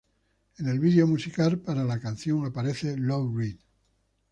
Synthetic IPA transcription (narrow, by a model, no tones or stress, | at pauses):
ene̞lβiðjo̞musikalpaɾalakanθjo̞ŋapaɾeθe̞lowɣɾin